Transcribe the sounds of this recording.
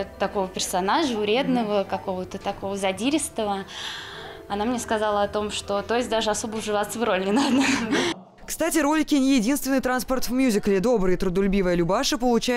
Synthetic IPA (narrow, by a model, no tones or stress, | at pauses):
t̪ɐko̞vəpʲɪrsɐnaʐəʊɾʲe̞d̪nəvəkɐko̞vət̪ət̪ɐko̞vəzɐdʲiɾʲɪst̪əvə | ɐnamnʲeskɐzalˠəɐt̪o̞mʂt̪o̞t̪o̞jɪs̚ʲd̪aʐɨɐso̞bəʊʐɨvat̪səvɾo̞lʲnʲɪnad̪nə | kst̪atʲɪɾo̞lʲɪkʲɪnʲɪjɪdʲinst̪vʲɪnːɨjt̪ɾanspərt̪vmʲjuzʲɪklʲɪd̪o̞bɾɨjət̪ɾʊd̪ʊlʲʊbʲivəjəlʲʊbaʂɨpəlˠʊt͡ɕæ